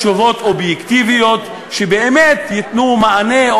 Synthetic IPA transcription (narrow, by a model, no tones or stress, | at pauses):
ovo̞t̪objekt̪ivijo̞t̪ | ʃebeʔemet̪jit̪numaane̞